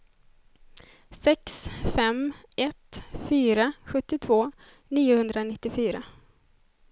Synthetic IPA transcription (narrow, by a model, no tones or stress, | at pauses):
sɛksfɛmʔɛt̪fyːɾaɧɵt̪ːɪt̪ʰvoː | niːʊhɵnd̪ɾanɪt̪ːɪfyːɾa